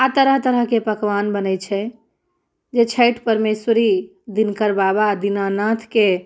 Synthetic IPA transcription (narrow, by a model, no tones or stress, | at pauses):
at̪əɾəɦt̪əɾəɦkepəkʋanbənəjt͡ʃʰɛ | d͡ʒet͡ʃʰəɪʈʰpəɾmesəɾi | d̪inkəɾbabad̪inanat̪ʰke